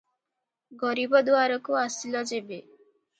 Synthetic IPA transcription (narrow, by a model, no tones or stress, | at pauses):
ɡɔɾibɔd̪uaɾɔkuasilɔd͡ʒebe